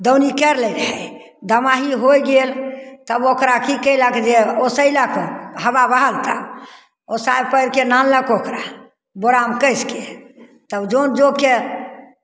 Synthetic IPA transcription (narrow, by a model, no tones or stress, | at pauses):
d̪əwnikɛɾlɛɾəɦɛ | d̪əmaɦiɦojɡelt̪əbokɾakikəjləkd͡ʒeosəiləkɦəbabəɦəlt̪ə̰ | osajpəjɾkenanləkokɾa | boɾamkəske | t̪əbd͡ʒond͡ʒoke